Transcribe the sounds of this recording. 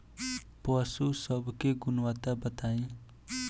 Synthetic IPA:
pəsusəbkeɡʊnwaːt̪abət̪aːĩ

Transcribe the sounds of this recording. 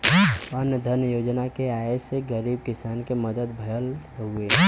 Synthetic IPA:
ənjəd̪ʱəɾnjəjoːd͡ʒnakeaːeseɡəɾiːb̚kɪsaːnkeməd̪əd̪bʱɐjəl | ɦueː

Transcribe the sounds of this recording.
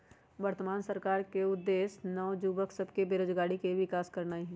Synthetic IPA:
ʋəɾt̪əmaːnsəɾkaːɾkeʊd̪ːeːsnɔːd͡ʒuːbəksɐbkebeːɾoːd͡ʒɡaːɽikeʋɪkaːskɐɾnaːiɦɛ̃ː

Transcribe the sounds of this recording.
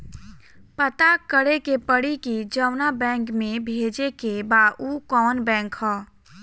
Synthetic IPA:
pət̪akəɾekepəɽikid͡ʒəʊnabɛ̃ːŋkmẽbʱeːd͡ʒekebaukɔːnbɛ̃ːŋkhɔː

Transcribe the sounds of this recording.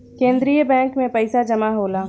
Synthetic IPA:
kẽːnd̪ɾijəbɛ̃ːŋkmẽpɐɪsad͡ʒɐmaɦoːlaː

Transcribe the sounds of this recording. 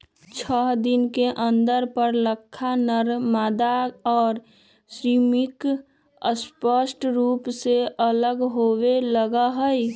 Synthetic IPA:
t͡ʃʰəɦd̪ɪnkeʔə̃nd̪əɾpəɾləkʰːanəɾmaːd̪aɔːɾ | sɾiːmɪk | əspəsʈɾuːpseʔələɡɦoweləɡaɦəi

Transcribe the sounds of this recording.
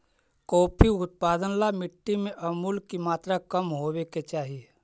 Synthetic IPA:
kɔːpʰiʊt̪̚paːd̪ənlamɪʈːimẽʔəmuːlkimaːt̪ɾakəmɦoweket͡ʃaːɦie

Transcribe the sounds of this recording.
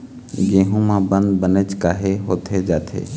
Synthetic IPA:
ɡeːɦũmãbə̃nd̪bənət͡ʃkaːɦeɦoːt̪ʰed͡ʒaːt̪ʰḛː

